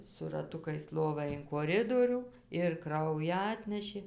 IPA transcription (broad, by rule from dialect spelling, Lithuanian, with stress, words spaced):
sʊ rɐˈtʊkɐɪs ˈlˠoːʋɑː ɪn koːˈrʲɪdoːrʲuː ɪr ˈkrɐʊjæː ˈɑːtʲnʲɛʃʲeː